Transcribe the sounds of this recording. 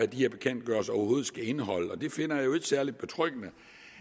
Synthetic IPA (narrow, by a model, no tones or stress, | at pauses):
æd̥iæɐb̥e̝kʰen̰d̥̚ɡ̥ɶɐsɒʊɐɦo̝ːð̞̩ˠsɡ̥æe̝nəɦɒ̽l̰ɒ̽d̥e̝fe̝nɐjajo̝e̝ɡ̥sæɐlid̥̚b̥e̝t͡sʰʁœɡ̥ənə